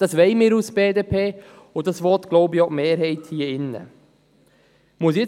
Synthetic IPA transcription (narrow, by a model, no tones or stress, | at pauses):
d̥ɑsʋɛɪmɪːɾusb̥eːdeːpʰeː | ʊdɑsʋɔt̪ɡ̥loʊbiɔmeːɾɦɛɪthiːəɪnːə̰ | muəs̬jɛ